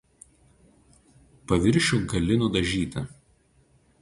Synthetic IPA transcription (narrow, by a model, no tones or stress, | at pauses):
pɐʋʲɪɾʲʃʲʊɡɐlʲɪnʊd̪ɐʒʲiːt̪ʲɪ